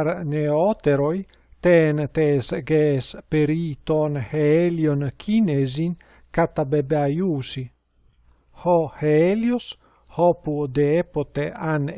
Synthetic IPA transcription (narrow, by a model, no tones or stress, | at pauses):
ɾneot̪eɾoj | t̪ent̪esɡespeɾit̪onheeljonkʰinezin | kat̪abebeajuːsi | hoheeljos | hɔpud̪eepot̪ean